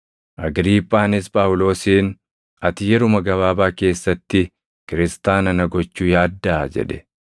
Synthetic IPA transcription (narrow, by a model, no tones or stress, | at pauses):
ʔɐɡɾiːpʼːaːnɪspʼaːʊlo̞ːsiːn | ɐt̪ɪjɛɾʊmɐɡɐβaːbaːke̞ːsːɐt̪ːɪ | kɪɾɪst̪aːnɐnɐɡɔt͡ʃːuːjaːd̪ːɐːd͡ʒɛ̰ᶑɛ̥